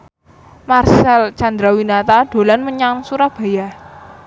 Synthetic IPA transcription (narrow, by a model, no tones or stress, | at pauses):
marsalt͡ʃand̪ɾawinat̪ad̪̥o̤lanməɲaŋsuɾab̥a̤ja